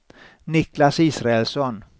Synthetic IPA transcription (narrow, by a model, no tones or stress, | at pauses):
nɪklasiːsɾaɛlsɔn